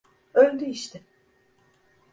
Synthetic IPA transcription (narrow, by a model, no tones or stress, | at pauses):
ølʲd̪yiʃt̪ʰɪ